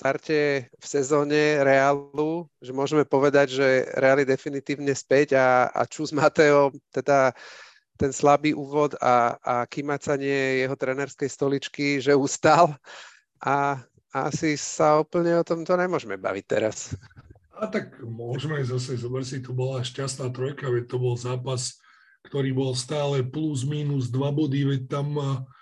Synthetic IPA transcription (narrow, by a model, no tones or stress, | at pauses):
st̪aɾcɛfsɛzɔːɲɛɾɛaluʒɛmʊɔʒɛmɛpɔʋɛd̪aɟʒɛɾɛalid̪ɛfinit̪iːʊɲɛspɛɟaa̰t͡ʃuːzmat̪ɛɔt̪ɛd̪a | t̪ɛnslabiːʔuːʋɔd̪a̰akimat͡saɲɪɛjɛɦɔt̪ɾɛnɛɾskɛjst̪ɔlit͡ʃkiʒɛuːst̪al | a | a̰sisaɔpl̩ɲɛɔt̪ɔmt̪ɔɲɛmʊɔʒmɛba̰ʋic̚t̪ɛ̰ɾas | at̪akmʊɔʒmɛzas̬ɛzɔbr̩sit̪ɔbɔlaʃcast̪naːt̪ɾɔjkaʋɛc̚t̪ɔbɔlzaːpas | kt̪ɔɾiːbɔlst̪aːlɛpluzmiːnuzd̪ʋabɔd̪iʋɛc̚t̪am